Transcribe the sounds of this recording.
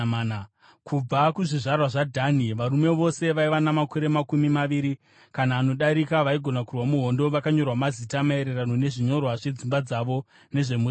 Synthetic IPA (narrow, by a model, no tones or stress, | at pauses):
kʰub͡vakuʐiʐarwaʐadʱaniʋaɾume̞ʋo̞se̞ʋaiʋanamako̞ɾe̞makumimaʋiːɾi | kanaːno̞ɗaɾikaʋaiɡʱo̞nakurwamuɦo̞ndo̞ʋakaɲo̞rwamazitamae̞ɾe̞rano̞ne̞ʐiɲo̞rwaʐe̞d͡zimbad͡zaʋo̞ | ne̞ʐe̞mu